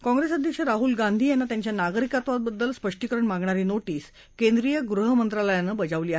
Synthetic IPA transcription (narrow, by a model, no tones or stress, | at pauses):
kɔ̃ŋɡɾesəd̪ʱjəkʂəɾaɦulɡand̪ʱiːjanːat̪jaɲt͡ɕjanaɡɾikat̪ʋat̪̚bəd̪ːəlspəʂʈikəɾəɳmaɡɳaɾiːnoʈiːs | kẽnd̪ɾijəɡɾuɦəmənt̪ɾaləjanːəbəd͡zaʋliːaɦe